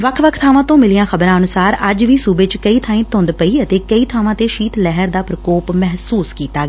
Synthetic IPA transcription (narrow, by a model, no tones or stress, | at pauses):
ʋəkʰʋəkʰt̪ʰaːʋãːt̪õːmɪlɪjãːxəbɾãːənʊsaːɾəd͡ʒʋiːsuːbeːt͡ʃkəiːt̪ʰãːĩːt̪ʊ̃nd̪pəiːət̪eːkəiːt̪ʰaːʋãːt̪eːʃiːt̪lɛɦəɾd̪aːpɾəkoːpmɛɦsuːskiːt̪aːɡː